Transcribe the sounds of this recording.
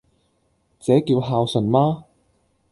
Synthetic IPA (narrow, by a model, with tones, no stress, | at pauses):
t͡sɛː˨˥kiː˧wɦaː˧wsɵ˨˩nmaː˥